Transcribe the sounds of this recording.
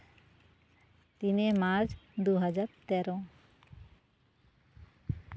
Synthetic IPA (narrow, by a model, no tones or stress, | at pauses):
t̪inemaɾd͡ʑd̪uɦad͡ʑaɾt̪ɛɾõ